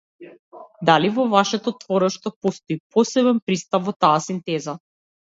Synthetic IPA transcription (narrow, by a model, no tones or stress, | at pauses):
d̪alivɔvaʃɛt̪ɔt̪vɔɾɛʃt̪ɔpɔst̪ɔipɔsɛβɛnpɾist̪apvɔt̪aːsint̪ɛza